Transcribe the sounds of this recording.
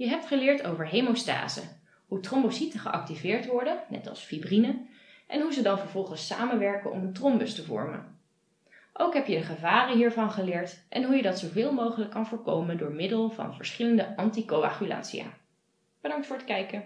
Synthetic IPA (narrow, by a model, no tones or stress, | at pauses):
jəɦɛp̚tχəlɪːɹtowvəɹɦejmosta̰ːzə̰ | ɦutrɔmbositəχəʔɑk̚tivɪːɹtʋɔɹdənɛ̰tɑ̰lˠsfibrinə | ʔɛnɦuzədɑnvəɹvɔlˠχənsa̰ːmənʋɛɹkənɔ̰məntrɔmbɵstəvɔ̰ɹmə̰n | ʔowkɦɛpjədəχəvaːrənɦiːɹvɑnχəlɪːɹtʔɛnɦujədɑtsowvɪːlˠmowχələkːɑnvʊːɹko̰wməndʊːɹmɪdəlˠvɑ̰nvəɹsχɪləndəʔɑntikowa̰χyla̰ːtsija̰ː | b̥ədɑŋktfʊːɹətkɛjkə